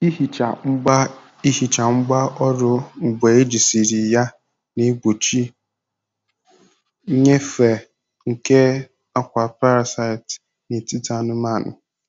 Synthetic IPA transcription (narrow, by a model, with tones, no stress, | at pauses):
i˦˨t͡ʃa˨ŋ͡m̩˦a˦ | i˦hi˨t͡ʃa˨ŋ͡m̩˦ɡ͡ba˦ɔ˦ɾʊ˦ŋ͡m̩˨ɡ͡be˨e˦d͡ʒi˨si˨ɾi˨ja˦ | ne˦ɡ͡bo˨t͡ʃi˦ | ɲe˦fe˨ | ŋ̩˨ke˦ | a˦kʷa˨pa˦ɾa˨sa˦jt | ne˨ti˦ta˨nʊ˦ma˦˨nʊ˨